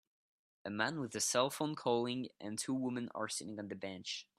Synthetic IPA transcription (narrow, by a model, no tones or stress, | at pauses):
əmãnwɪðɨsɛlˠfõʊ̃nkʰɔlˠɪ̃ŋʔə̰̃ntʰuːwʊmə̃nə̰˞sɪɾɪ̃ŋə̃nðəbɛ̃nt͡ʃ